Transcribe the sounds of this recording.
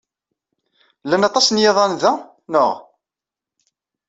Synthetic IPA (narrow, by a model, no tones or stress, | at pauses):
lːænɑt̪ˤːɑsnjeðˤɑnðæ | nəʁ